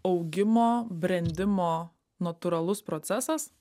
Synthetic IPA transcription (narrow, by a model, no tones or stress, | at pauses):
ɐʊɡʲɪmoːbʲɾʲɛnʲd̪ʲɪmoː | nɐt̪uɾɐlˠʊspɾoːt̪sʲɛsɐs